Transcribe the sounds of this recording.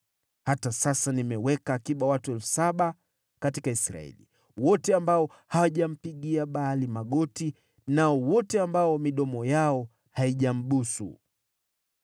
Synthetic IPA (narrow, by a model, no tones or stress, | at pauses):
hatasasanimɛwɛkaːkiɓawatuɛlfu̥saɓa | katikaisɾa̰ɛ̰lḭ | wɔtɛambaɔ | hawaʄam̩piɠiaɓaːlimaɠɔti | naɔwɔtɛambaɔmiɗɔmɔjaɔ | haiʄam̩ɓusṵ